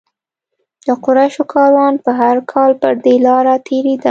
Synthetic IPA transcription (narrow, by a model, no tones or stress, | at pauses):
d̪̥əqʊɾaʃokʰɑɾwɑnpəɦaɾkʰɑlpəɾd̪elɑɾat̪ʰeɾed̪a